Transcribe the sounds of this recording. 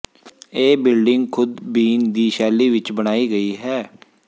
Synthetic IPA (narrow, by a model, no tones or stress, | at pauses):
eːbɪlɖɪŋɡkʰʊd̪biːnd̪iːʃɛːliːʋɪt͡ʃbəɽ̃aːiːɡəiːɦɛː